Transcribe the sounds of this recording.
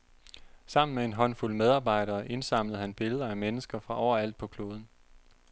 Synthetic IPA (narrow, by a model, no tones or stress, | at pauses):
sɑ̈m̰n̩mee̝nɦɒ̽n̰fulmeð̞ˠɑ̈ːb̥ɑ̈ɪ̰ɾɐːʔe̝nsɑ̈m̰ləð̩ˠhænb̥e̝ləð̞ˠɐæmenəsɡ̥ɐfʁɑ̈ʔɒʊ̰ɐæl̰d̥̚pʰɒ̽kʰlo̝ːð̞ˠn̩